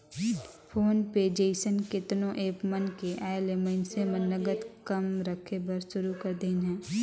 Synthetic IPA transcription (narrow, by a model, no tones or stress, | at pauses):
pʰoːnpeːd͡ʒeːsənkɪt̪nõʔeːpmənkeʔaːelemə̃nsemənːəɡət̪kɐmɾəkʰebəɾsʊɾukɐɾd̪eːnɦɛ̃ː